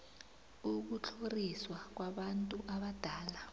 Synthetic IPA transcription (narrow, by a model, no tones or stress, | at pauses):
uk̬ut͡ɬʰoriswak̬waɓantʼuʔaɓad̥ʱaːla